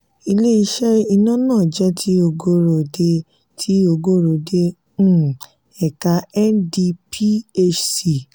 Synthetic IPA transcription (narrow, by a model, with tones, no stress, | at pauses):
i˧le˦i˧ʃɛ˦i˧nã˦nãː˦˨d͡ʒɛ˦tʰi˦o˧ɡo˦ɾo˨de˦ | tʰi˦o˧ɡo˦ɾo˨dẽ˦ | ɛ˨ka˧ɛ˦ndi˧pʰi˦e˦t͡ʃsi˨